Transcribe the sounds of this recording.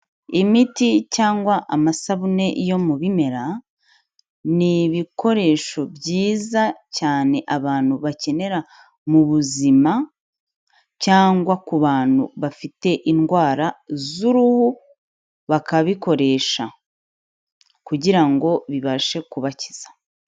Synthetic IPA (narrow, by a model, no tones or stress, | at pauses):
imiticaːŋɡwaʔamasaβune̞ʔijo̞muβime̞ɾa | niβiko̞ɾe̞ʃo̞bɟiːzacaːne̞ʔaβaːn̥huβace̞ne̞ɾa | muβuzima | caːŋɡwakuβaːn̥ṵβafite̞ʔinɡwaːɾazuɾuhu | βakaβiko̞ɾe̞ːʃa | kuɟiɾaŋɡo̞βiβaʃe̞kuβaci̥z̥ḁ